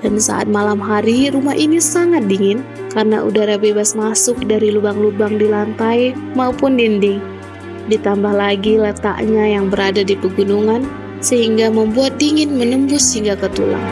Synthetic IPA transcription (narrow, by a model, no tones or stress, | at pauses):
d̥ansa̰ʔa̰t̪̚malamɦaɾiɾumaɦinisaŋat̪̚diŋɪn | karnaʔṵdaɾabebasmasʊk̚daɾilubaŋlubaŋdilant̪ajmaupʊndindɪŋ | dit̪ambahlaɡilət̪a̰ʔɲajaŋbəɾadadipəɡunuŋan | səɦiŋɡaməmbuat̪̚diŋɪnmənəmbʊshiŋɡakət̪ṵla̰